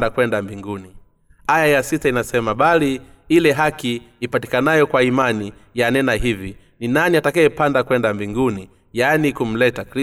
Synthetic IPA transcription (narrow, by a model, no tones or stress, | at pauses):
dakwɛndambiŋɡuni | ajajasitainasɛmaɓali | ilɛɦakiːpati̥kanajɔkwaimani | janɛnahivi | ninaniatakajɛpandakwɛndambiŋɡuni | janikum̩lɛtakɾi